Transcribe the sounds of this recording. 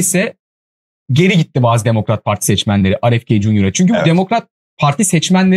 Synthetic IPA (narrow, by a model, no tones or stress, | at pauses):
isɛ | ɟe̞ɾiɟit̪ːibaːzɯd̪e̞mo̞kɾat̪̚pʰaɾt̪ʰi̥sɛt͡ʃmænlʲe̞ɾiʔaɾɛfcʰejid͡ʒunuɾat͡ʃʰyɲcybud̪e̞mo̞kɾat̪̚ | pʰaɾt̪ʰisɛt͡ʃmænlʲe